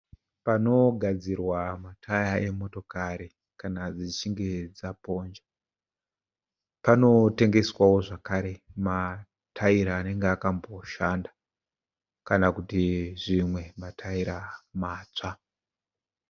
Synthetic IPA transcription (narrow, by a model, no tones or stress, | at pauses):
pano̞ɡʱad͡zirwamatʰajaʔe̞mo̞to̞kaɾi | kanad͡zit͡ʃiŋɡe̞d͡zapo̞ːnd͡ʒa | pano̞te̞ŋɡe̞swawo̞ʐakaɾe̞ma | tʰaiɾaːne̞ŋɡeakambo̞ʃanda | kanakutiʐimwe̞matʰaiɾamaːt͡ʂa